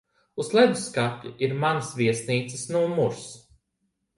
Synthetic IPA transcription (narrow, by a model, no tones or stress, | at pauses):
uzlˠɛd̪uskapʲːiʔiɾmanɐsvʲiɛsniːt̪sɨ̥snumuɾs